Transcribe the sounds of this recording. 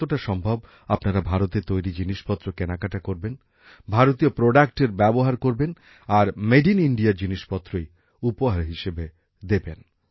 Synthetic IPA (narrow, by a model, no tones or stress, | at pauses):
t̪oʈaʃɔmbʱob | apnaɾabʱaɾot̪eɾt̪ojɾid͡ʑiniʃpɔt̪ːɾokenakaʈakoɾben | bʱaɾot̪iopɾoɖak̚ʈeɾbɛboɦaɾkoɾben | aɾmeɖiniɳɖiaɾd͡ʑiniʃpɔt̪ːɾoj | upoɦaɾɦiʃebe | d̪eben